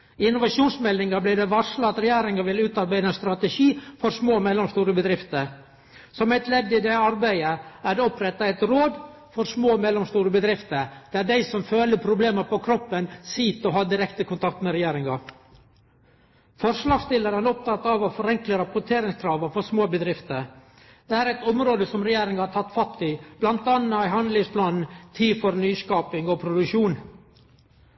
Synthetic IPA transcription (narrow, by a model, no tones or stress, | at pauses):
ɪnːʊʋɑʂuːnsmɛlnɪŋɑblɪd̪ɛʋɑʂlɑɑt̪ɾɛjeːɾɪŋɑʋɪlʉːt̪ɑɾbæɪd̪əst̪ɾɑt̪ɛʃiːfɔɾsmoːmɛlːɔmst̪uːɾəbəd̪ɾɪft̪əɾ | sɔmæɪt̪lɛd̪ːɪd̪ɛɑɾbæɪəæɖɛɔpɾɛt̪ːɑæɪt̪ɾoːd̪ | fɔɾʂmoːmɛlːɔmst̪uːɾəbəd̪ɾɪft̪əd̪̥æɖæɪsɔmføːləpʰɾʊbleːməpɔkʰɾɔpːənsiːt̪ɔɦɑːd̪ɪɾɛkt̪əkʊnt̪ʰɑk̚t̪mɛɾɛjeːɾɪŋɑ | fɔɾʂlɑːɡst̪ɪləɾɾɔp̚t̪ʰɑt̪ːɑʋɔfɔɾɛŋkləɾɑpʊʈʰeːɾɪŋskʰɾɑːʋɑfɔsmoːbəd̪ɾɪft̪əɾ | d̪̥ɛæːɾɛɪt̪ɔmɾoːd̪əsɔmɾɛjeːɾɪŋɑhɑɾʈ̪tʰɑt̪ːfɑt̪ːɪb̥lɑnt̪ɑnːɑæɪɦɑnd̪lɪŋspʰlɑːnn̩t̪ʰiːfɔɾnyːskɑːpɪŋɔpʰɾʊd̪ʉkʂuːn